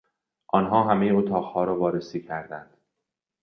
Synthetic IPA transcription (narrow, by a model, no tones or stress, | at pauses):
ʔɒːnɦɒːɦæmejeot̪ʰɒːɣhɒːɾɒːvɒːɾesiːcʰæɾd̪ænd̪̥